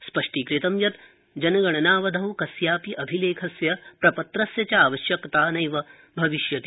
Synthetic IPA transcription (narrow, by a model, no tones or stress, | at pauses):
spɐʂʈikɾit̪ɐmjɐt̪ | d͡ʒɐnɐɡɐɳ̃ɐnaːʋɐd̪ʱɐʋwkɐsjaːpiʔɐbʱileːkʰɐsjɐpɾɐpɐt̪ɾɐsjɐt͡ʃɐaːʋɐʃjɐkt̪aːnɐjʋɐ | bʱɐʋiʃjɐt̪i